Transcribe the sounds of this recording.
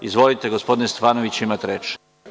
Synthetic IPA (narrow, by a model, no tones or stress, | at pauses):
izʋo̞lit̪eɡospo̞d̪inest̪ofaːnoʋit͡ɕimat̪ɾeːt͡ʃ